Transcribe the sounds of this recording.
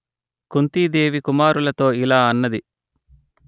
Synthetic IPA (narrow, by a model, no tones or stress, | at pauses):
kunt̪iːd̪eːʋikumaːɾulɐt̪o̞ːilaːɐnːɐd̪i